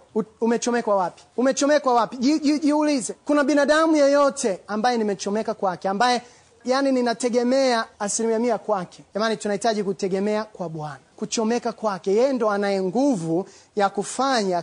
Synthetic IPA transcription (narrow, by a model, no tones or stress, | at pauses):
uumɛt͡ʃɔmɛkwawapi̥umɛt͡ʃɔmɛkwawapiʄiiʄiulizɛkunaɓinaɗamujɔjɔtʰɛambajɛnimɛt͡ʃɔmɛkakwakɛambajɛ | janininatɛɡɛmɛaːsilimiamiakwakʰɛʄamanitunahitaʄikutɛɡɛmɛakwaɓwanakut͡ʃɔmɛkakwakɛjɛjɛndɔanajɛŋɡuvujakufaɲa